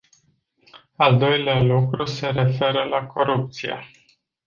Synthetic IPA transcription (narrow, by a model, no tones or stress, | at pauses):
ald̪o̞jlealukɾuse̞ɾe̞fe̞ɾəlakʰo̞ɾup̚t̪sijḛ